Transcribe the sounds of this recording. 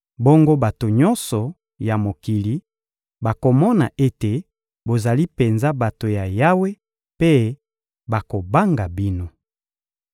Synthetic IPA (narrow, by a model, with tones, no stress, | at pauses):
bo˦ŋɡo˦ba˨to˨ɲɔ˦nsɔ˨ | ja˨mo˨ki˨li˦ | ba˨ko˨mɔ˦na̰˨ʔe˦te˨ | bo˨za˨li˦pe˨nza˦ba˨to˨ja˨ja˦we˦ | pe˦ | ba˨ko˨ba˦ŋɡa˨bi˦no˦